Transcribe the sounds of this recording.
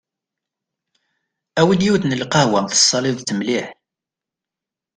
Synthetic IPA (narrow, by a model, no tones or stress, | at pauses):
æwədjiwθnəlqɑhwænθə̥sˤːɑliðt͡sːəmliħ